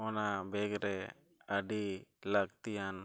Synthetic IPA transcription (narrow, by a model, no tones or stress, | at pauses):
ɔnabɛɡɾɛ | əɖilaɡt̪ijan